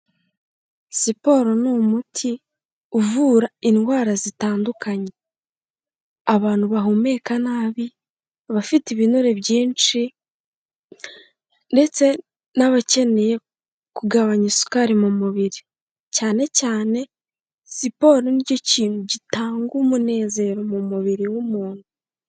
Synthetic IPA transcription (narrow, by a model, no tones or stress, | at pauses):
sipo̞ɾo̞noːmutʰi | uvuːɾainhwaːɾazitaːndukaɲe | aβaːn̥huβaɦume̞ːkanaːβi | βafitiβinoɾe̞βɟiːnt͡ʃi | nde̞t͡se̞ | naβace̞ne̞je̞ | kuɡaβaɲisu̥kaɾimumuβiɾi | caːne̞caːne̞ | sipo̞ɾoniɟo̞ciːnhuɟitaːŋɡumune̞ːze̞ɾo̞mumuβiɾiwumuːn̥hu